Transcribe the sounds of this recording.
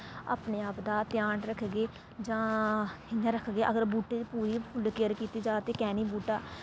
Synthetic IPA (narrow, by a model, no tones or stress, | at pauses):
a̰ːpneːaːpd̪aːt̪ɪjaːɳɾəkʰɡeː | d͡ʒãːɪnãːɾəkʰɡeːʔəɡəɾbuːʈeːpuːɾiːpʰʊlkeːəɾkiːt̪iːd͡ʒaːt̪eːkɛːniːbuːʈaː